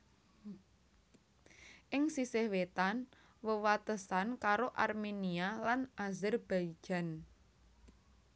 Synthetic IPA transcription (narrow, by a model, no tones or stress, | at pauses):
ʔɪŋsisɪhwet̪an | wəwat̪əsankaɾoʔarmenialanazɪrb̥ai̥d͡ʒ̥a̤n